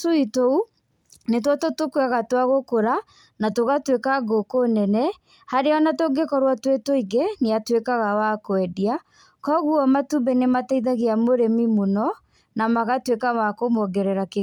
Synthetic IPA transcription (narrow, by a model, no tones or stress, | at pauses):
tuitou | net̬watotokwaɣatwaɣokoɾa | natoɣatwekaɡokonɛnɛ | haɾeɔnatoŋɡekɔɾwatwetoiɡeneatwekaɣawakoɛdia | kɔɣuɔmatubɛnemataiðaɣeamoɾemimonɔ | namaɣatwekawakomɔɡɛɾɛɾake